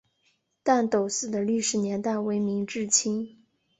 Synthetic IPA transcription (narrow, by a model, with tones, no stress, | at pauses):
t̪a˥˩nt̪o˨˩ʊsɹ̩˥˩d̪ə˩ly˥˩ʂɻ̩˨˩njɛ˧˥nt̪a˥˩ɪwe˧˥ɪmi˧˥ŋʈ͡ʂɻ̩˥˩t͡ɕʰi˥ŋ